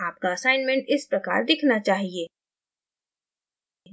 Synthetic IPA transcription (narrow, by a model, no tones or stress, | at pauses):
aːp̚kaɐsaːɪnmẽɳʈɪspɾɐka̰ːɾd̪ɪkʰnat͡ʃaːɦieː